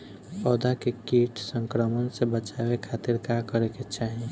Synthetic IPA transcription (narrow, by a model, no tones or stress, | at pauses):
pɔːd̪akekiʈʰsə̃ŋkɾəmənsebət͡ʃabekʰat̪iɾkakəɾeket͡ʃaɦi